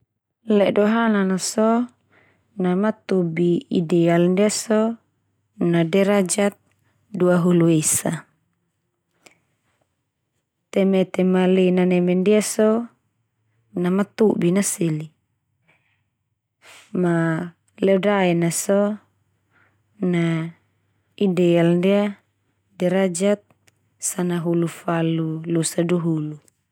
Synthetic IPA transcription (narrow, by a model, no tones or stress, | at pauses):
lɛdoɦananasɔ | namat̪ubiidɛalndiasɔ | nadɛɾad͡ʒat̪̚ | duaɦuluesa | t̪ɛmɛt̪ɛmalinanɛmɛndiasɔ | namat̪ubinasili | ma | lɛdaɛnasɔ | na | idɛalndia | dɛɾad͡ʒat̪̚ | sanaɦulufalulusaduɦulu